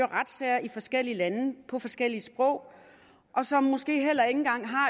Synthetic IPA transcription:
ɐʁad̥sɛɐʔifɒ̽sɡ̥el̰ilænəpʰɒ̽fɒ̽sɡ̥el̰iəsb̥ʁɔ̽ʊ̰ | ʔɒ̽sɒ̽mːo̽sɡ̥e̝̰ːɦel̰ɐe̝ŋn̩ɡ̥ɑ̈ŋ̰ɦɑ̈

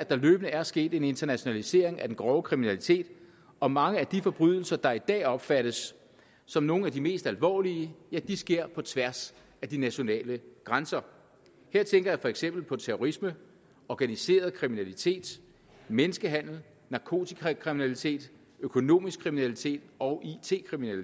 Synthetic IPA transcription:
æd̥ɑ̈løːb̥ənəæɐsɡ̥e̝̰ːd̥e̝ne̝nd̥ɐnæɕo̝nælise̝ɐ̰e̝ŋæd̥enɡ̥ʁɒʊkʰʁiminælit͡sʰe̝̰ːd̥ | ɒ̽mɑ̈ŋəæd̥ifɒ̽b̥ʁyð̞̰ˠl̩sɐd̥ɑ̈id̥ɛ̰ːɒ̽b̥fæɾ̥əsː | ɒ̽mno̝ːn̩æd̥ime̝̰ːsd̥ælʋɒ̰ːliəjæd̥isɡ̥e̝ɐ̰pʰɒ̽t͡sʰʋæɐs | æd̥inæɕo̝nɛ̰ːləɡ̥ʁansɐ | heɐ̰t͡sʰeŋɡ̥ɐjɑ̈ɪfɒ̽eɡ̥sem̰b̥l̩pʰɒ̽t͡sʰeʁoʁismə | ɒɡ̥ænise̝̰ːɐð̩ˠkʰʁiminælit͡sʰe̝̰ːd̥ | menəsɡ̥əɦæn̰l̩ | nɑ̈kʰo̝̰ːt͡sʰikʰʁiminælit͡sʰe̝̰ːd̥ | økʰo̝no̝̰ːmisɡ̥kʰːʁiminælit͡sʰe̝̰ːd̥ɒ̽ʔit͡sʰe̝̰ːkʰʁiminæli

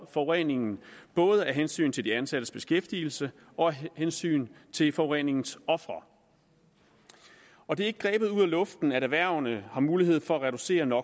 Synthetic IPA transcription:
fɒ̽ʊʁɛne̝ŋn̩b̥ɔ̽ːð̞ˠəæɦensy̰ːnt͡sʰe̝ld̥iænsæd̥əsb̥e̝sɡ̥efd̥iːl̩sə | ʔɒ̽æhensy̰ːnt͡sʰe̝lfɒʁɛne̝ŋn̩sɒ̽fʁɐ | ɒ̽d̥e̝æɐe̝ɡ̥ə̥ɡʁɛ̰ːb̥ð̩ˠuð̰ˠælɔ̽fd̥n̩æɾæʋæɐ̰nəhɑ̈muːliɦe̝ð̞̰ˠfɒ̽æʁɛɾ̥use̝̰ːɐnɒ̽

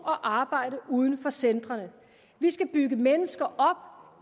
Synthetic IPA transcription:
ɒ̽ʔɑ̈ːb̥ɑ̈ɪ̰ɾəʔuːð̞ˠən̩fɒ̽send̥ʁɐnə | ʋisɡ̥æb̥yɡ̥əmenəsɡ̥ɐʔɒ̽b̥̚

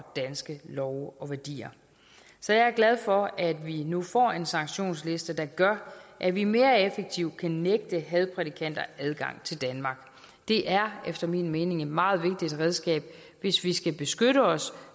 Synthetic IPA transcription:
d̥ænsɡ̥əlɒʊɒ̽ʋæɐd̥ḭːɐ | sɒ̽jɑ̈æɐɡ̥læð̞ˠfɒ̽æd̥ʋinufɒ̰ːe̝nsɑ̈ŋɕo̝̰ːnsle̝sd̥əd̥ɑ̈ɡ̥ɶɐʔæʋime̝ːɐefeɡ̥̚t͡sʰiʊ̰kʰæneɡ̥̚d̥əɦɛð̞ˠpʰʁɛdikʰæn̰d̥ɐæð̞ˠɡ̥ɑ̈ŋ̰t͡sʰe̝ld̥ænmɑ̈ːɡ̥ | d̥e̝ʔæɐefd̥ɐmḭːnme̝ːne̝ŋe̝d̥mɑ̈ːð̞̩ˠʋe̝ɡ̥̚d̥id̥ʁɛð̞ˠsɡ̥ɛ̰ːb̥̚ | ʋe̝sʋisɡ̥æb̥e̝sɡ̥øɾəɒ̽s

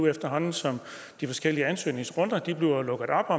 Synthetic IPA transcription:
efd̥ɐɦɒ̽nn̩sɒ̽m | d̥ifɒ̽sɡ̥el̰iəænsø̰ːne̝ŋsʁɔ̽n̰d̥ɐd̥ib̥le̝ʊɒlɔ̽ɡ̥əð̩ˠɒ̽b̥ɒ̽

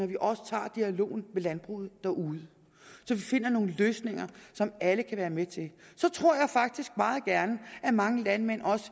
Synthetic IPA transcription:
ɒʋiʔɒ̽sə̥t͡sʰɑ̰̈ːd̥iælo̝̰ːn̩melænb̥ʁṵð̩ˠd̥æʔuːð̞ˠə | sɒ̽ʋife̝n̰ɐno̝ːn̩løːsne̝ŋɐsɒ̽mæləkʰæʋæːɐmet͡sʰe̝lsɒ̽t͡sʰʁo̝ɐ̰jɑ̈ɪfɑ̈ɡ̥̚d̥isɡ̥̚mɑ̈ːð̩ˠɡ̥æɐnəʔæmɑ̈ŋəlænmen̰ɒ̽sə̥

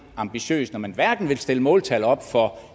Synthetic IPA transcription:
ɑ̈mb̥iɕø̰ːsnɒmænʋæɐɡ̥n̩ʋe̝lsd̥e̝ləmɔ̽ːlt͡sʰæl̰ɒ̽b̥fɒ̽

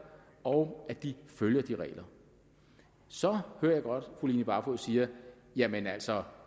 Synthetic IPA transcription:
ɒʊæd̥iføljɐd̥iʁɛ̰ːlɐ | sɒ̽høːɐ̰jɑɪɡ̥ɒ̽d̥fuliːnəb̥ɑ̈fʰosiːɐ | jæmenæl̰sɒ̽

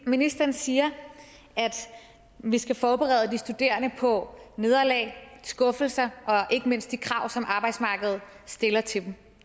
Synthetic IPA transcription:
minisd̥ɐɐn̩siːɐ | æd̥ | ʋisɡ̥æfɒːb̥eʁɛ̰ð̞ˠd̥isd̥ud̥e̝̰ːɐnəpʰɒ̽ne̝ð̞ˠɐlɛ̰ːɪsɡ̥ɔ̽fl̩sɐʔɒ̽ʔe̝ɡ̥əme̝n̰sd̥ikʰʁɑ̈ʊ̰sɒ̽mʔɑ̈ːb̥ɑ̈ɪd̥smɑ̈ːɡ̥əð̩ˠ | sd̥e̝lɐt͡sʰe̝d̥m

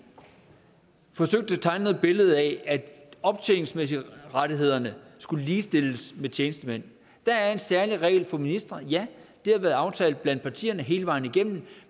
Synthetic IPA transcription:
fɒ̽søɡ̥̚d̥ət͡sʰɑ̈ɪnoð̩ˠb̥e̝ləð̞̩ˠææd̥ɒ̽b̥̚t͡sʰeːlŋsmes̬iʁad̥iɦe̝ð̞̰ˠɐnəsɡ̥uləliːsd̥e̝l̰əsmet͡ɕʰeːnəsd̥əmen̰ | d̥ææɐe̝nsæɐliʁɛ̰ɪlfɒ̽minisd̥ʁɐjæd̥e̝æʋæːɐð̩ˠɑ̈ʊt͡sʰɛ̰ːld̥̩̚ˠb̥læn̰d̥pʰɑ̈t͡sʰḭːɐnəɦe̝ːləʋɑ̈ɪniɡ̥em̰n̩

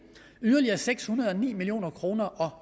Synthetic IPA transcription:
yðˠɐliɐseɡ̥shunɐðˠɒ̽nḭːmilio̝̰ːnɐkʰʁo̝ːnɐʔɒ̽

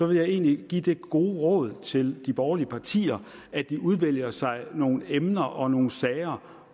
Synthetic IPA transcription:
sɒ̽ʋe̝ljɑ̈ɪe̝̰ːnliɡ̥ḭd̥e̝ɡ̥o̝ːʁɔ̰ð̞ˠt͡sʰe̝ld̥ib̥ɒːʊɐliəpʰɑ̈t͡sʰḭːɐ | ʔæ̥d̥iʔuð̞ˠʋel̰jɐsɑ̈ɪno̝ːn̩emnɐʔɒ̽no̝ːn̩sɛːɪɐ

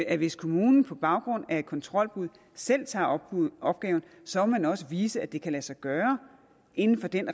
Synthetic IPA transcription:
æʋe̝skʰo̝muːnn̩pʰɒ̽b̥ɑ̈ʊɡ̥ʁɔ̽n̰æɐe̝d̥̚kʰɒ̽nt͡sʰʁɒ̽l̰b̥uð̰ˠ | sel̰t͡sʰɑ̈ːɒ̽b̥ɡ̥ɛːʊn̩ | sɒ̽mɒmænɒ̽səʋiːsəæd̥e̝kʰælæsɑ̈ɪɡ̥ɶːɐ | ʔe̝nn̩fɒ̽d̥en

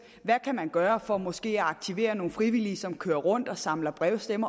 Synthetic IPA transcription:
ʋækʰæmænɡ̥ɶːɐfɒ̽mɔ̽sɡ̥e̝̰ːæɑ̈ɡ̥̚t͡sʰiʋe̝̰ːɐno̝ːn̩fʁiʋiliːsɒ̽mkʰøːɐʁɔ̽n̰d̥ɒ̽sɑ̈mlɐb̥ʁɛʊsd̥emɐ

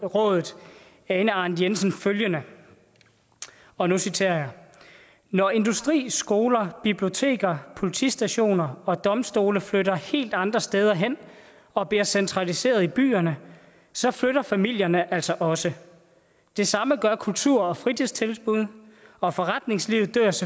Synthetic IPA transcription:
ʁɔ̰̽ːðˠð̩ˠ | ɛnəɑ̈nd̥jensn̩føljənə | ɒ̽nusit͡sʰe̝̰ɐ̰jɑ | nɒe̝nd̥usd̥ʁḭːsɡ̥o̝ːlɐb̥ib̥lio̝t͡sʰe̝̰ːɡ̥ɐpʰo̝lit͡sʰḭsd̥æɕo̝̰ːnɐɒ̽d̥ɒ̽msd̥o̝ːləfløɾɐhe̝̰ːld̥ɑ̈nd̥ʁɐsd̥eːð̞ˠɐɦen̰ | ɒ̽b̥liɐsent͡sʰʁɑ̈lise̝̰ːɐðˠib̥y̰ːɐnə | sɒ̽fløɾɐfæmil̰jɐnəʔæl̰sɒ̽ʔɒ̽sə | d̥e̝sɑ̈məɡ̥ɶɐkʰult͡sʰuɐ̰ɒ̽fʁidʰeð̰ˠst͡sʰe̝lsb̥uð̞̰ˠɒ̽fɒ̽ʁɑd̥̚ne̝ŋsliʊð̩ˠd̥ø̰ɐ̰s

